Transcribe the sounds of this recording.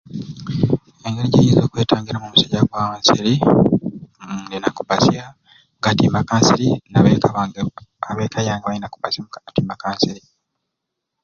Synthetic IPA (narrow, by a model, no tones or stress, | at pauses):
eŋɡeɾiɟijizo̞ːkwe̞ːtaːŋɡiɾamumusaɟaɡwaːmasiɾi | denaku̥basia | ɡatimakaːnsiɾinaβekaβaaβeːkʰajaːŋɡaβajinaku̥pasjamukanatimakaːnsiɾi